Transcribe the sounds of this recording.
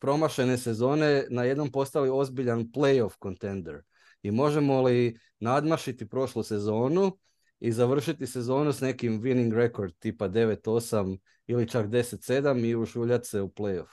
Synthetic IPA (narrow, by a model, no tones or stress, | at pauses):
pɾo̞maʃe̞ne̞se̞zo̞ːne̞naje̞d̪no̞mpo̞st̪alio̞zbiʎanple̞jo̞fko̞nt̪e̞nd̪eɾ | imo̞ʒe̞mo̞li | nad̪maʃit̪ipɾo̞ʃluse̞zo̞ːnu | izaʋr̩ʃit̪ise̞zo̞ːnusne̞kimʋiniŋɡɾe̞ko̞ɾd̪̚t̪iːpad̪e̞ʋe̞t̪o̞sam | ilit͡ʃakd̪e̞set̪se̞d̪amiuʃuːʎat̪seuplejof